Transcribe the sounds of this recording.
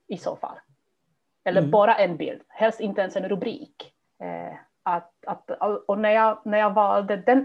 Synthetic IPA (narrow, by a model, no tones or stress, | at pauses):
ɪso̰ːfa̰lː | ɛlːəɾbɑːɾaʔɛnbɪ̰ld̪̥hɛlst̪ɪnt̪əɛnsɛnɾɵbɾḭːk | at̪at̪aɔnæɾjɑːɡnæɾjɑːvɑːld̪əd̪ɛn